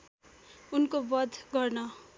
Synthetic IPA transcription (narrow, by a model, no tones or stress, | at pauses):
unkobʌd̪ʱɡʌrnʌ